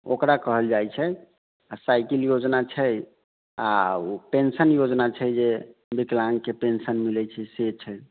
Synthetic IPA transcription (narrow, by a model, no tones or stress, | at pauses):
o̰kɾakəɦəld͡ʒajt͡ʃʰɛ | asajkiljod͡ʒnat͡ʃʰəj | a̰pensənjod͡ʒnat͡ʃʰɛjd͡ʒebiklaŋkepensənmilɛt͡ʃʰɛset͡ʃʰɛj